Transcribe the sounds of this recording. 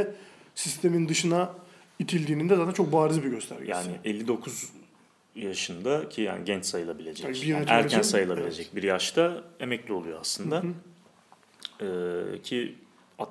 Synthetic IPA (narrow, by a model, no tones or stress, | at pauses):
ɛsist̪ʰe̞mind̪ɯʃɯna | it̪ʰilʲd̪iːnind̪ɛzaːt̪ænt͡ʃʰok̚baːɾizbiɟø̞st̪ʰæ̰ɾʲja̰ːnɪ̰ʔelʲːid̪okʰuz | jaʃɯnd̪acʰija̰ːniɟɛnt͡ʃsajɯlˠabilʲe̞d͡ʒɛcihæɾcʰænsajɯlˠabilʲe̞d͡ʒɛc̚biɾjaʃt̪ʰae̞mɛclʲio̞lˠujoa̰slˠɯnd̪a | ɛːcʰi | a